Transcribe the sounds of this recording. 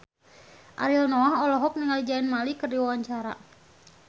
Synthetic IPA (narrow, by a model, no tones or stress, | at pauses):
ʔa̰ɾilnɔaɦɔlɔɦɔk̚niŋalid͡ʒainmalikərdiwawaɲt͡ʃaɾa̰